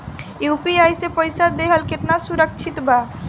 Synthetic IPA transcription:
jupiajsepəjsad̪eɦəlkeʈnasuɾəkt͡ʃʰit̪ba

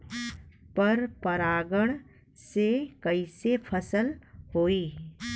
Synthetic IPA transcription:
pɐɾpɐɾaːɡəɽ̃ | sekɐisepʰɐsəlɦoːiː

